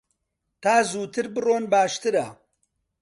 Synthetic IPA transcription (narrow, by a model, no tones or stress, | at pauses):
t̪aːzuːt̪ʰɨɾbɨroːnbaːʃt̪ɨɾɐ̰